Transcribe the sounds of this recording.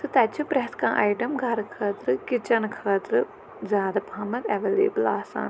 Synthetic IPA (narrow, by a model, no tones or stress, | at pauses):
sɨt̪ɐt͡ʃʰupɾɛskãːʔaiʈɐmɡʱɐɾkʰaːt̪ɾɨkɪt͡ʃɐnkʰaːt̪ɾɨ | zjaːd̪ɐpaːmɐt̪ɛʋeːlḛːbəlaːsã̰ːn